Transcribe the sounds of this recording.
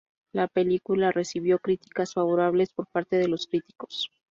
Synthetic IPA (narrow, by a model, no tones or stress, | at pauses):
lape̞likulare̞siβjo̞kɾit̪i̥kasfaβo̞ɾaβ̞le̞spo̞ɾpaɾt̪e̞ðe̞lo̞skɾit̪i̥ko̞̥s